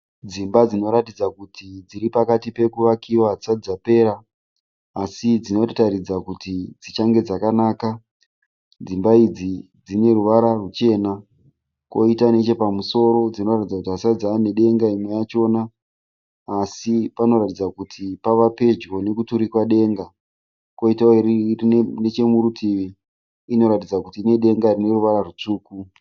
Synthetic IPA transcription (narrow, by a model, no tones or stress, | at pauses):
d͡zimbad͡zino̞ɾatid͡zakutʰid͡ziɾipakatipe̞kuʋakiwat͡sad͡zape̞ːɾaː | sid͡zino̞ttaɾid͡zakutid͡zit͡ʃaŋɡe̞d͡zakanaːka | d͡zimbaid͡zi | d͡zine̞ruʋaɾarut͡ʃe̞ːna | ko̞̰itane̞t͡ʃe̞pamuso̞ɾo̞d͡zino̞ratid͡zakutiasad͡zaːne̞ɗe̞ŋɡaimwe̞jat͡ʃo̞naː | sipano̞ɾatid͡zakutʰipaʋape̞d͡ʒɡo̞ne̞kutuɾikwaɗe̞ːŋɡa | ko̞itaoiriine̞t͡ʃe̞muɾutʰiʋiː | no̞ɾatid͡zakutiːne̞ɗe̞ŋɡarine̞ruʋaɾarut͡ʂuːku